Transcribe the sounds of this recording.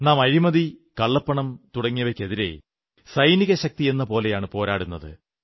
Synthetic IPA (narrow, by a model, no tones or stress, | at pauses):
naːmɐɾimɐðikɐɭːɐpːɐɳɐmt̪uɽɐŋːɐʋekʲːeðiɾe̞̰ | sɐjniɣɐɕɐk̚t̪ie̞nːɐpo̞ːlejaːɳɨpo̞ːɾaːɽunːɐðɨ̰